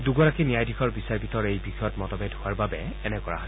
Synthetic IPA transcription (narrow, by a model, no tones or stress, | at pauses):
duɡɔɹakinijajdʱixɔɹbisaɹpitɔɹejbixɔjɔtmɔtɔbɛdhʊaɹbabɛ | ɛnɛkɔɹa̰ɦɔ